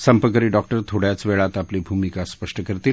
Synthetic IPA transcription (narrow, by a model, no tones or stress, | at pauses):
səmpəkəɾiːɖɔk̚ʈəɾt̪ʰoɽjat͡sʋeɭat̪aplibʱumikaspəʂʈəkəɾt̪iːl